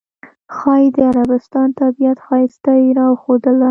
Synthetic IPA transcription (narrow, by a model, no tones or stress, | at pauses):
xɑjid̪əaɾabɪst̪ɑnt̪abijat̪xɑjɪst̪aiɾɑwxod̪əla